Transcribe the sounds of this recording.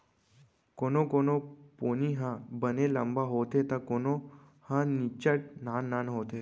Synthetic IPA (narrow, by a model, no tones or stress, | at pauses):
konokonoponiɦãbəneləmbaɦot̪et̪akono | hãnit͡ɕəʈ̚nãnːanɦot̪e